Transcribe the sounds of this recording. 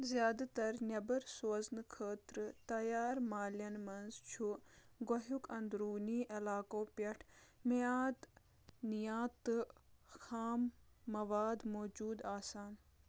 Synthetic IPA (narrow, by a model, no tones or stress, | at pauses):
zjaːd̪at̪ɐɾnʲɐbɐɾsɐznɨkʰəːt̪ɾɨt̪ɐjaːɾmaːljɐnmɐnzt͡ʃʰuɡoɦukʰɐ̃nd̪ɾuːniːʔɐlaːkoːpʲɐʈʰmeaːt̪ | nijaːt̪ɨxaːmːɐʋaːd̪moːd͡ʒuːd̪aːsaːn